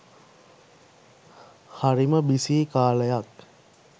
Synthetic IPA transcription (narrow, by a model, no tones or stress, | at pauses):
haɾiməbisiːkaːləjak